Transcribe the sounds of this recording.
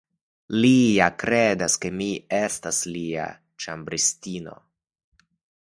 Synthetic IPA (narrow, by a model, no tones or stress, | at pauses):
lijakɾe̞daske̞mie̞staslia̰ | t͡ʃambɾistino̞̰